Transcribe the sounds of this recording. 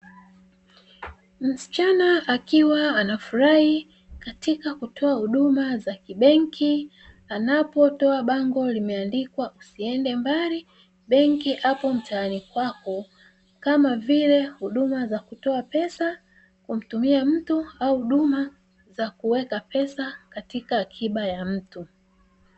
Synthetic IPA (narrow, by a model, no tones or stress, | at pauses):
m̩si̥t͡ʃanaʔakiwaanafuɾahi | katikakutʰɔahuɗumazakiɓɛŋkʰi | anapɔtɔaɓaŋɡɔlimɛandikwaʔusiɛndɛmbali | ɓɛŋkiʔapɔm̩taːnikwakɔ | kamavilɛhuɗumazakutɔapɛsa | kum̩tumiam̩tuauhuɗuma | zakuwɛkapɛsakatikaːkʰiɓajam̩tu